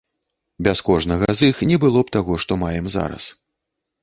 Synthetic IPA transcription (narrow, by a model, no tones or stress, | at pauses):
bʲaskɔʐnɐɣɐzixnʲɛbɨlˠɔpt̪aɣɔʂt̪ɔmajɛmza̰ɾɐ̰s